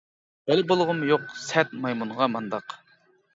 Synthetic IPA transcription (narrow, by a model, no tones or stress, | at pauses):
b̥ɛlɪbolˠʁʊmjoqsɛt̪mɑjmunʁɑmɑnd̪ɑq